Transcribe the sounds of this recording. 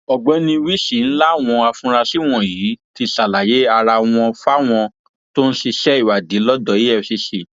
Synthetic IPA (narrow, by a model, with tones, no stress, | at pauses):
ɔ˨ɡ͡bɔ˨˦nĩ˧wi˦ʃi˨n̩˦la˦˨w̃ɔ̃˧a˧fũ˧˦ɾa˧si˦w̃ɔ̃˦˨jiː˨˦ti˧sa˨la˨je˨˦a˧ɾa˧w̃ɔ̃˧fa˦w̃ɔ̃˧ | to˦ñ̩˦si˧ʃɛ˦i˦˨wa˨di˨˦lɔ˦dɔ˨i˦ɛ˦˧˨si˧ʃi˨